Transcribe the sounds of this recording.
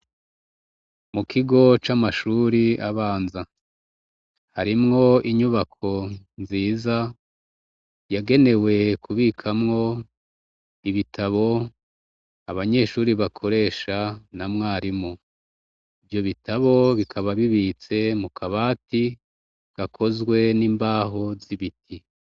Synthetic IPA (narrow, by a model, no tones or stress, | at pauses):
mukʰiɡo̞t͡ʃamaʃuːɾiaβaːnza | haɾimŋo̞iɲuβakʰo̞nziːza | jaɡe̞ne̞we̞kʰuβiːkʰamŋo̞ | iβitʰaβo̞ | aβaɲe̞ːʃuːɾiβakʰo̞ɾe̞ːʃanamŋaːɾimo | ivjo̞βitaβo̞βikʰaβaβiβiːt͡se̞mukʰaβaːti | ɡ̥akʰo̞zɡwe̞niːmbaːɦo̞ziβitʰi